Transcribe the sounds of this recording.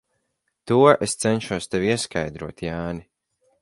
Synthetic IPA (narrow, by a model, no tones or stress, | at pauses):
t̪uɔʔest̪sɛnʃuɔst̪evʲiɛskajd̪ɾuɔt̪jaːni